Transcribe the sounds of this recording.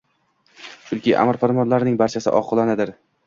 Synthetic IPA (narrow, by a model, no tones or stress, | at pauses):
ʊlˠkʲʰiʔa̰mɪɾpʰaɾmɒnlaɾnɪŋbaɾt͡ʃʰasɪ̰ʔɒ̰qʰɨlˠanɪd̪ɪɾ